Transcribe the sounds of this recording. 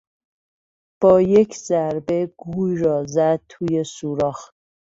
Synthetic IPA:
b̥ɒːjecʰzæɾbe̞ɡ̥uːjɾɒːzæd̪̚t̪ʰuːjesuːɾɒːx

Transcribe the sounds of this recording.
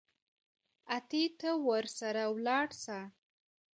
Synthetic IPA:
at̪it̪awəɾsaɾawlɑɽsa

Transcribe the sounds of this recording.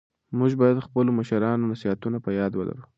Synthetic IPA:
muʒbɑjad̪xpəloməʃaɾɑnonasihat̪unapəjɑd̪wəla̰ɾu

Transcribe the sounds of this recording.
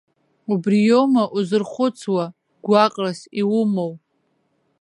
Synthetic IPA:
ubrijomaʔuzɨrχʷʊt͡sʰwa | ɡʷakʼrasiwʊmow

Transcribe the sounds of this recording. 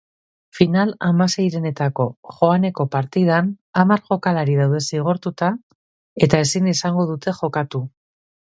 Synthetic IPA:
finalamase̞jɾe̞ne̞t̪ako̞ʝo̞ane̞ko̞paɾt̪ið̞anamaɾʝo̞kalaɾiðawðe̞siɣ̞o̞ɾt̪ut̪a | e̞t̪ae̞sinisaŋɡo̞ð̞ut̪e̞ʝo̞kat̪u

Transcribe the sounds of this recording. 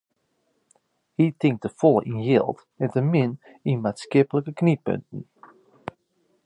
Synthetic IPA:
hitɪŋk̚təfɔlˠə̰ʔinjɪlˠt | ɛntəmɪn | inmaːtskɪpələkəknipø̰ntn̩

